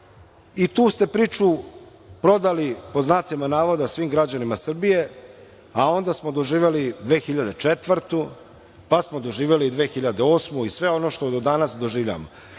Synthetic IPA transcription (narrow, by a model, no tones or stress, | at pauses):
it̪uːst̪e̞pɾiːt͡ʃu | pɾo̞d̪alipo̞znat̪simanaːʋo̞d̪asʋiːmɡɾad͡ʑanimasr̩bije̞ | ao̞nd̪asmod̪o̞ʒiːʋelid̪ʋe̞ːxiʎad̪et͡ʂet̪ʋr̩t̪u | pasmod̪o̞ʒiːʋjelid̪ʋe̞ːxiʎad̪eo̞ːsmuisʋe̞o̞no̞ʃt̪od̪od̪anasd̪o̞ʒiːʋʎa̰mo